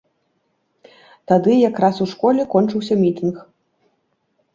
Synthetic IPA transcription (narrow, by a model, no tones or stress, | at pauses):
t̪ad̪ɨjakɾasuʂkɔlʲɛkɔnt͡ʂɨwsʲɐmʲit̪ɨnx